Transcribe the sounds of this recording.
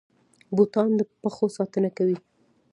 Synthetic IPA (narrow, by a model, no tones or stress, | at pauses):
but̪ɑnd̪əpəxosɑt̪ənakawi